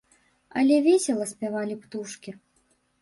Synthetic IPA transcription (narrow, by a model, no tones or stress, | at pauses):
ɐ̰lʲɛvʲesʲɛlˠɐsʲpʲavalʲipt̪uʂkʲi